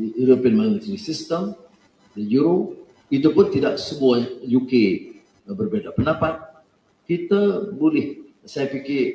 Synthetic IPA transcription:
uɾopiənmanət̪ɾisist̪əm | dəjuɾo | it̪upʊnt̪idaʔsəmuahjuke | bərbedapənapat̪̚ | kit̪abolɪh | sajapikɪ

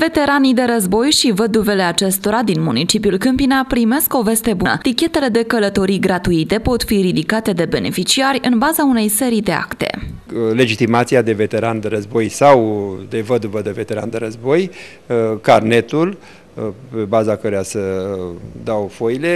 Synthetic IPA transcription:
ve̞t̪e̞ɾanid̪e̞ɾəzbo̞jʃivəd̪uve̞le̞at͡ʃe̞st̪o̞ɾad̪inmunit͡ʃipjulkɨmpinapɾime̞sko̞ve̞st̪e̞bunə̰t̪ikʲe̞t̪e̞le̞d̪e̞kələt̪o̞ɾiɡɾat̪uit̪e̞po̞t̪fiɾid̪ikat̪e̞d̪e̞be̞ne̞̰fit͡ʃiarʲɨnbazaune̞jse̞ɾid̪e̞a̰kt̪e̞̰le̞d͡ʒit̪imat̪siad̪e̞ve̞t̪e̞ɾand̪eɾəzbo̞jsawd̪e̞vəd̪uvəd̪eve̞t̪e̞ɾa̰nd̪eɾəzbo̞j | karne̞t̪ul | pe̞bazakəɾojasə | d̪awfojle̞

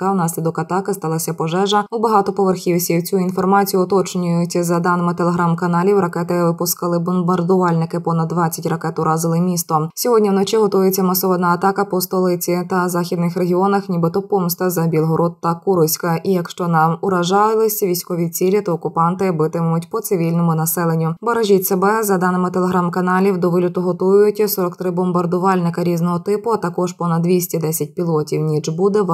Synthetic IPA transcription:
ɐwnɑsʲlʲid̪ɔkɐt̪ɑkɪst̪ɑlˠɐsʲɐpɔʒɛʒɐʊbɐɦɑt̪ɔpɔʋerxʲiwsʲiwt͡sʲuinfɔrmɑt͡sʲijʊɔt̪ɔt͡ʃnʲʊjʊt͡sʲːɐzɐd̪ɑnɪmɪt̪elˠeɦɾamkɐnɑlʲiwɾɐkɛt̪ɪʋɪpʊskɐlˠɪbʊnbɐrd̪ʊʋɑlʲnɪkɪpɔnɐd̪ːʋɑt͡sʲːɐtʲrɐkɛt̪ʊɾɑzɪlˠɪmʲist̪ɔsʲɔɦɔdʲnʲiwnɔt͡ʃiɦɔt̪ɔjet͡sʲːɐmɐsɔʋɔd̪nɐːt̪ɑkɐpɔst̪ɔlˠɪt͡sʲit̪ɐzɑxʲid̪nɪxɾeɦʲiɔnɐxnʲibɪt̪ɔpɔmst̪ɐzɐbʲilˠɦɔɾɔd̪t̪ɐkuɾʊsʲkɐʔijɐkʃt͡ʃɔnɑmʊɾɐʒɑlˠɪlˠɪsʲɐʋʲijsʲkɔʋʲit͡sʲilʲit̪ɔːkʊpɑnt̪ɪbɪt̪ɪmʊtʲpɔt̪sɪʋʲilʲnɔmʊnɐsɛlˠenʲːʊbɐɾɐʒʲitʲsebɛzɐd̪ɑnɪmɪt̪eleɦɾamkɐnɑlʲiwd̪ɔʋɪlʲʊt̪ʊɦɔt̪ujʊjʊtʲsɔɾɔkt̪ɾɪbɔmbɐrd̪ʊʋɑlʲnɪkɐɾʲiznɔɦɔt̪ɪpʊɐt̪ɐkɔʒpɔnɐd̪ːʲʋʲisʲtʲid̪ɛsʲɐt̚ʲpʲilˠɔtʲiwnʲid͡ʒbud̪ɛ

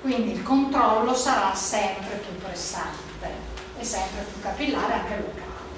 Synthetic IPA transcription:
kwind̪iːlkont̪ɾɔlːosaɾasːɛmpɾet̪ut̪ːoɾesːant̪e | esːɛmpɾet̪ukapilːaːɾeaŋk̟elukaːle

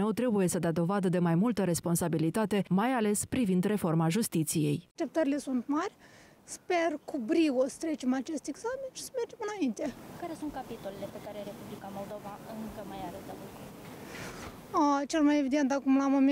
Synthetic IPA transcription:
əwt̪ɾe̞buje̞səd̪ad̪o̞vad̪əd̪e̞majmult̪əɾe̞spo̞nsabilit̪at̪e̞majale̞spɾivind̪re̞fo̞rmaʒust̪it̪sije̞̰jʃt̪e̞p̚t̪əɾile̞sunt̪marʲ | spe̞rkubɾiost̪ɾe̞t͡ʃe̞mat͡ʃe̞st̪eɡzamenʃi̥səmerd͡ʒe̞mɨnaint̪e̞kaɾe̞sunt̪̚kapit̪olelepe̞kaɾeɾe̞publikamo̞ld̪o̞vaɨŋkəmajaɾed̪avuko | ət͡ʃelmajevid̪e̞nt̪akumlamom

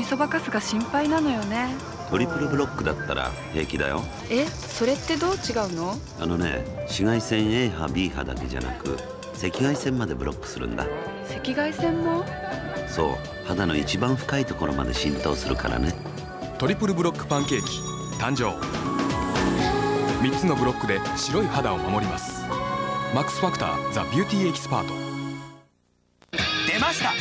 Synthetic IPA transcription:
iso̞bakasɨɡaɕĩmpainano̞jo̞ne̞ | t̪o̞ɾʲipɯ̟ɾɯ̟bɯ̟ɾo̞kːɯ̟d̪at̪ːaɾa̰ | he̞ːkʲid̪a̰jo̞̰ | e̞ | so̞ɾe̞t̪ːe̞d̪o̞ːt͡ɕiɡaɯ̟no̞ | ano̞ne̞̰ɕiɡaisẽ̞ɰ̃e̞ːɦabʲiːɦa̰d̪ake̞ʑa̰na̰kɯ̟̰ | se̞kʲiɡaisẽ̞mːad̪e̞bɯ̟ɾo̞̰kːɯ̟̥sɨɾɯ̟̰̃nd̪a̰ | se̞kʲiɡaisẽ̞mːo̞ | so̞̰ː | had̪ano̞it͡ɕibãɰ̃ɸɯ̥kait̪oko̞ɾo̞ma̰d̪e̞̰ɕĩnt̪o̞ːsɨɾɯ̟ka̰ɾa̰ne | t̪o̞ɾʲipɯ̟ɾɯ̟bɯ̟ɾo̞kːɯ̥pãŋke̞ːkʲi̥ | t̪ãɲ̟d͡ʑo̞ː | mʲit͡sɨno̞bɯ̟ɾo̞kːɯ̟d̪e̞ɕiɾo̞ihad̪ao̞momo̞ɾʲimasɨ̥ | makːɯ̥sɨ̥ɸakɯ̟̥t̪a̰ːd͡zabʲɨ̟ːt̪ʲiːe̞kʲi̥sɨ̥pa̰ːt̪o̞̥ | d̪̥emaɕi̥t̪a

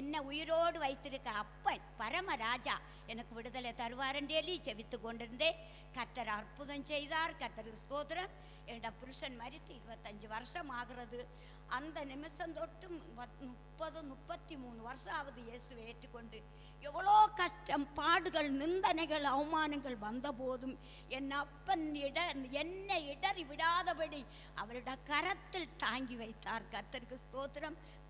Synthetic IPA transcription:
enːeujɐɾoːɽɨʋɐjt̪ːiɾukːɐɐpːɐn | pɐɾɐmɐɾaːd͡ʑa | enɐkːɨʋiɽuðɐlet̪ɐɾuʋaːɾɐndelit͡ɕe̞ʋit̪ːukːo̞ɳɖiɾund̪e | kɐʈːɐɾɐrpuðɐmt͡ɕe̞jðaːrkɐʈːɐɾɨsk̪oːt̪ɐɾɐm | eɳɖɐpuɾuʂɐnmɐɾit̪ːɨiɾubɐt̪ːɐɲd͡ʑɨʋɐrʂɐmaːɣirɐðɨ | ɐnd̪ɐnimɐsɐmt̪o̞ʈːumɐnupːɐðɨnupːɐt̪ːimuːnːɨʋɐrʂaːʋɐðɨje̞ːsuʋeːtːukːo̞ɳɖɨ | eʋːɐɭoːkɐʂʈɐmpaːɽuɣɐɭnind̪ɐnɐɣɐɭɐʋɐmaːnɐŋɡɐɭʋɐnd̪ɐpoːðum | enːɐpːɐniɽɐenːeiɽɐriʋiɽaːðɐpɐɽi | ɐ̰ʋɐɾuɽekɐɾɐt̪ːilt̪aːŋɡiʋɐjt̪ːaːrkɐt̪ːɐɾkːɨst̪oːt̪ːɐɾɐm

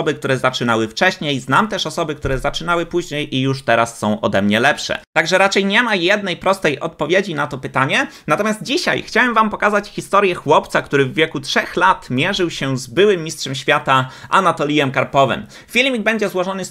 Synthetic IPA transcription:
ɔbɘk̚t̪uɾɛzat͡ʂɘnawɘft͡ʂɛɕɲejznamt̪ɛʂɔsɔbɘkt̪uɾɛzat͡ʂɘnawɘpuʑɲejʔijuʂt̪ɛɾasːɔ̃w̃ʔɔ̰d̪ɛmɲɛlɛpʂɛ̰t̪aɡʐɛɾat͡ʂɛjɲɛmajɛd̪nɛjpɾɔst̪ɛjʔɔt̪̚pɔvʲjed͡ʑinat̪ɔpɘt̪aɲɛnat̪ɔmjazt̪̚d͡ʑiɕa̰jxt͡ɕawɛmvampɔkazat͡ɕxʲist̪ɔɾʲjɛxwɔpt̪sakt̪uɾɘvːʲjɛkutʂɛxlat̪mʲjɛʐɘwɕɛzbɘwɘmʲːistʂɛmɕfʲjat̪aʔa̰nat̪ɔlʲijɛmkaɾpɔvɛ̰m | fʲilmʲiɡ̚bɛɲd͡ʑɛzwɔʐɔnɘs

